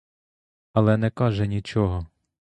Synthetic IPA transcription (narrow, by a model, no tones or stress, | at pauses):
ɐlˠɛnɛkɑʒɛnʲit͡ʃɔɦɔ